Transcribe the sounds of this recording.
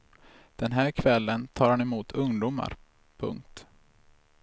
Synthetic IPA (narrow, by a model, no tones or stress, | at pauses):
d̪̥ɛnɦæːɾkʰvɛlːənt̪ʰɑːɾhanɛmuːt̪ʰɵŋd̪uːma̰ɾ | pʰɵ̰ŋk̚t̪